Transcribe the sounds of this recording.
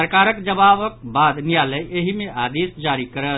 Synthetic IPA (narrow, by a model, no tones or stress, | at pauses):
əɾkaɾəkd͡ʒəbabək̚bad̪nijaləjeɦimeʔad̪isd͡ʒaɾikəɾət̪